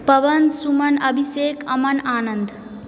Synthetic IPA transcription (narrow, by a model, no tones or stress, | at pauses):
pɐʋənsumənəbʱiseːkəmənaːnənd̪